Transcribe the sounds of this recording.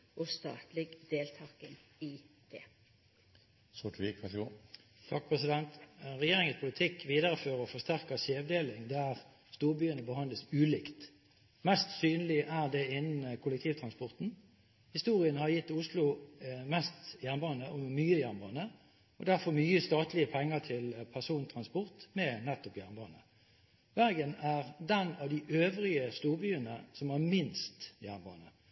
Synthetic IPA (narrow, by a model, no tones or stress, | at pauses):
ʔɔst̪ɑ̰ːt̪lɪɡd̪eːlt̪ʰɑːkən | i | d̪̥ɛ | sʊʈʋikʰʋɛɡo | t̪ʰɑːk̚pʰʁɛsɪd̪ɛnt̪ʁɛjeːʁɪŋəspʰʊlɪt̪ʰɪkʋiːd̪əʁəføːʁəʁɔfɔst̪æʁkɑseːʋd̪eːlɪŋd̪æʁ | st̪uːʁbyːənəbəhɑnd̪ləsʉːlɪkt̪ | mɛst̪syːnəlɪʔæʁd̪ɛɪnːn̩əkʰʊləkt̪ʰiːʋt̪ʰʁɑnspɔʁt̪n̩ | hɪst̪uːʁɪənhɑʁjɪt̪ːʊslʊmɛst̪jæːʁnbɑːnəʔɔmyːəjænbɑːnə | ɔd̪æɾfɔɾmyːəst̪ɑːt̪lɪəpʰɛŋːət̪ʰɪlpʰæʁsuːnt̪ʰʁɑnspɔʁt̪mɛnɛt̪ːɔpjæʁnbɑːnə | ʋæʁɡənæʁd̪ɛnɑʋd̪ɪʔøːʋɾɪəst̪uːɾbyːənəsɔmæʁmɪnst̪jæːnbɑ̰ːnə